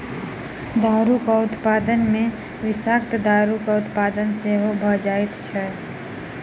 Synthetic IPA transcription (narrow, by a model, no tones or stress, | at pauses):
d̪aːɾukaʊt̪paːd̪ənmẽ | ʋɪsaːk̚t̪d̪aːɾukaʊt̪paːd̪ənseɦobʱəd͡ʒaːɪt̪t͡ʃʰɛ